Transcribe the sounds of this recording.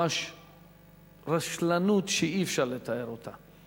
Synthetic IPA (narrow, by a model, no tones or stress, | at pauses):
aʃ | ɾaʃlanut̪ʃeifʃaɾlet̪ae̞ɾot̪ʰa